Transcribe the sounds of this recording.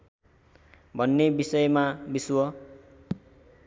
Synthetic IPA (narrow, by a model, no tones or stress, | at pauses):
bʱʌnːebisʌjmabiswʌ